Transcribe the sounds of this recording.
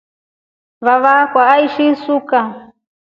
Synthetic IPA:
βaβakwaːiʃisuka

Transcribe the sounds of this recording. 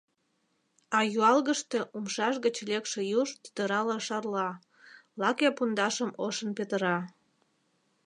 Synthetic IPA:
ɑjuɑlɣəʃt̪e̽ʔumʃɑʃɣət͡ɕlekʃejuʃt̪y̥d̪əɾɑlɑʃɑrlɑ | lɑkepund̪ɑʃəmoʃənpet̪əɾɑ

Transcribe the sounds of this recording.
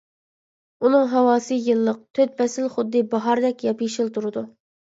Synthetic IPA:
unɨŋɦɑwɑːsɨjɨlˠːəq̚t̪ʰøt̪̚pɛsɪlχʊd̪ːɨbɑɦɑɾd̪ɛkʲjɑpiʃilˠt̪ʰuɾɨd̪u

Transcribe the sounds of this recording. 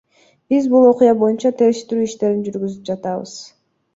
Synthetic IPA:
b̥izbulˠo̞qʊjɑbo̞junt͡ʃɑt̪ʰe̞ɾeʃet̪yɾyːiʃt̪e̞ɾind͡ʒyɾɡyzyp̚d͡ʒɑt̪ɑβɯ̰z̥

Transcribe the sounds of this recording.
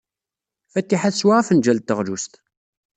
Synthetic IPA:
fæt̪ːiħaθswaʁafənd͡ʒælt̪ːəʁlust̪

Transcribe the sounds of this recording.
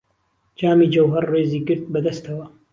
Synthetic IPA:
d͡ʒaːmiːd͡ʒɐwɦɐrːeːziːɡɨɾd̪̚bɐd̪ɐst̪ʰɐwɐ

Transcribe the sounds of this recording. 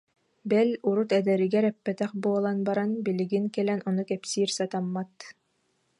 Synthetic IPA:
bɛluɾut̪ɛd̪ɛɾiɡɛɾɛpːɛt̪ɛχbuɔlˠanbaɾanbiliɡiŋkɛlɛnɔnukɛpsiːɾsat̪amːat̪

